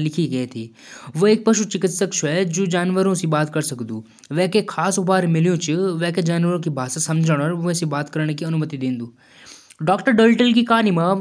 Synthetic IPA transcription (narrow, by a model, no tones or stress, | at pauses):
lɪkʰiɡɐet̪ʰiː | ʋoeːk̚pɐʃut͡ʃɪkɪt̪səkʃʰɛd͡ʒoːd͡ʒaːnʋəɾõsĩbaːt̪kɐɾsɐkd̪uː | ʋɛ̃ːkekʰaːsʊbaːɾmɪlijõt͡ʃʊʋɛ̃ːked͡ʒaːnʋəɾõkibʱaːsasɐmd͡ʒʱəɽ̃əɾẽsibaːt̪kɐɾɽ̃kiɐnʊmət̪id̪ẽːnd̪uː | ɖɔːkʈəɾɖəːlʈəlk̬ikaːnimã